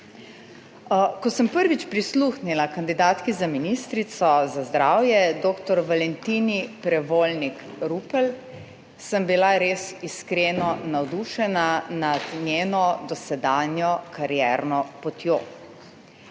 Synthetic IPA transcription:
kɔsəmpəɾʋit͡ʃpɾisluːxnilakand̪id̪aːt̪kizaminist̪ɾit̪sɔzazd̪ɾaːwjɛd̪oːkt̪ɔɾʋalɛnt̪iːnipɾɛʋoːlnikɾupəl | səmbilaɾeːsiskɾenɔnawd̪uːʃɛnanad̪nʲjeːnɔd̪ɔsɛd̪aːnjɔkaɾjɛːɾnɔpɔt̪joː

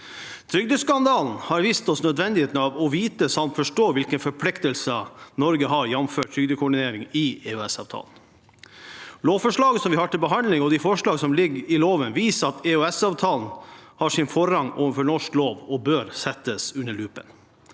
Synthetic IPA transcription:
t̪ʰɾʏɡd̪əskɑnd̪ɑːln̩hɑɾʋiːst̪ɔsnœd̪ʋɛnd̪ɪheːt̪n̩ɑʋɔʋiːt̪əsɑmt̪fɔʂʈoːʋɪlkənfɔɾpʰlɪkt̪əlsənɔɾɡəɦɑɾjɛnmføːʈ̚tʰɾʏɡd̪əkʰʊɖɪneːɾɪŋɪɛʉɛsɑ̰ːʋt̪ʰɑ̰ːln̩ | loːʋfɔʂɭɑːɡəsɔmʋɪhɑʈ̪ɪlbəɦɑnlɪŋɔd̪ɪfɔʂɭɑːɡsɔmlɪɡɪloːʋənʋiːsəɑt̪ʰɛʉɛsɑːʋt̪ʰɑːln̩hɑːʂɪnfɔɾɑŋo̰ːʋəfɔɳɔʂkloːʋɔbøːɾsɛt̪ːəsʉnːəɭʉːpə̰n

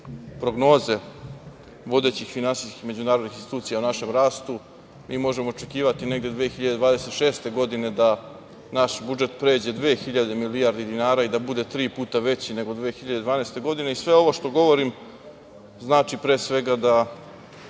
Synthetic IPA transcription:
pɾo̞ɡno̞ːze̞ | ʋo̞d̪e̞ːt͡ɕixfinansiːski̥me̞d͡ʑunaːɾod̪nixinsi̥t̪uːt̪sijaunaʃe̞mɾaːst̪u | miːmo̞ʒemo̞ot͡ʂe̞kiːʋat̪ine̞ɡd̪jed̪ʋeːxiʎad̪ed̪ʋaːd̪ese̞t̪ʃe̞ːst̪e̞ɡo̞d̪ine̞d̪a | naʃbud͡ʒe̞t̪pɾe̞ːd͡ʑe̞d̪ʋe̞ːxiʎad̪emiliaɾd̪id̪inaːɾaid̪abud̪e̞t̪ɾiːpuːt̪aʋe̞t͡ɕine̞ɡo̞d̪ʋeːxiʎad̪ed̪ʋaːneːst̪e̞ɡo̞d̪ine̞isʋe̞o̞ʋoʃt̪o̞ɡo̞ʋo̞ɾim | znaːt͡ʃipɾe̞ːsʋe̞ɡad̪a

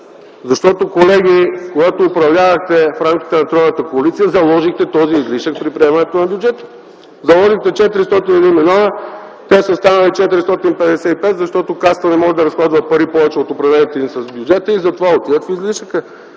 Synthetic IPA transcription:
zɐʃt̪ɔt̪okolɛɡ̟ikoɡat̪oːpɾɐvlʲavəxt̪ɛfɾamk̟ʲi̥t̪ɛnɐt̪ɾɔnət̪əkoɐlit̪sijəzɐlˠɔʒixt̪ɛt̪ɔziːzliʃək̚pɾipɾiɛmɐnɛt̪onɐbjʊd͡ʒɛt̪ə̥ | zɐlˠɔʒixt̪ɛt͡ʃɛt̪iɾist̪ɔt̪inɛd̪inmilʲɔnə | t̪ɛsəst̪anəlit͡ʃɛt̪iɾist̪ɔt̪inpɛd̪ɛsɛipɛt̪zɐʃt̪ɔt̪okast̪ənɛmɔʒɛd̪ɐɾɐsxlˠazvəpɐɾipɔvɛt͡ʃɛot̪opɾɐvlɛnit̪ɛnisɐzbjud͡ʒɛt̪əizɐt̪ovaot̪ivət̪fizliʃəkə

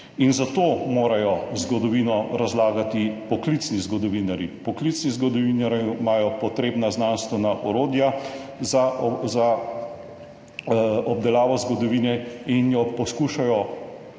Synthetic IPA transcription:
inzat̪oːmoːɾajɔzɡɔd̪ɔʋiːnɔɾazlaːɡat̪ipɔklit̪snizɡɔd̪ɔʋiːnaɾipɔklit̪snizɡɔd̪ɔʋiːnaɾmaːjɔpɔt̪ɾeːbnaznanst̪ʋɛnaʔɔɾoːd̪jazaza | ɔb̚d̪ɛlaːʋɔzɡɔd̪ɔʋiːnɛinjɔpɔskuːʃajɔ

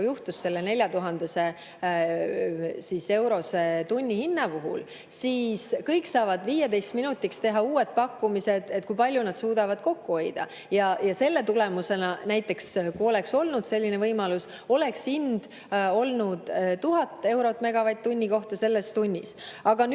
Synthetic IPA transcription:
juht̪usːe̞lːe̞ne̞lʲjɑt̪uɦɑnd̪̥ese̞ | sise̞wɾo̞set̪unʲːihinːɑpuɦṵl | siːskɤjkːsɑːvɑd̪̥viːjed̪e̞jst̪minut̪ːˑikst̪e̞ɦɑuːe̞t̪̚pɑkːumise̞d̪̥et̪̚ːˑkujpɑlʲjunɑd̪̥suːd̪̥ɑvɑd̪̥ko̞kːuo̞jd̪̥ɑ̰ | jɑjɑse̞lːe̞t̪ule̞muse̞nɑnæjt̪ːˑe̞kskuo̞le̞kso̞lnud̪̥se̞lʲːine̞vɤjmɑlus | o̞le̞ksind̪̥ | o̞lnud̪̥t̪uɦɑt̪ːˑe̞wɾo̞t̪ːˑme̞ɡ̥ɑvɑjt̪̚t̪ːunʲːiko̞ht̪ɑse̞lːe̞st̪unʲːḭsɑɡ̥ɑn

